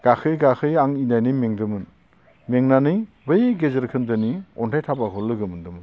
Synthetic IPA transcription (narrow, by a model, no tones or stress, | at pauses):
ɡ̥akʰɯjɡaxʰɯjaŋinajnɯjmeŋdɯmɯn | meŋnanɯj | bɯjɡezeɾkʰɯndɯniɔntʰajtʰabakʰɔlɯɡɯmɯndɯmɯn